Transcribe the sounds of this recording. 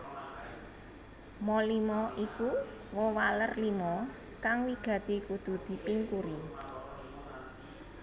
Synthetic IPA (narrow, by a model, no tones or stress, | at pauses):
mɔlimɔʔiku | wɔwalərlimɔ | kaŋwiɡ̥ä̤t̪ikud̪̥ṳd̪̥i̤piŋkuɾi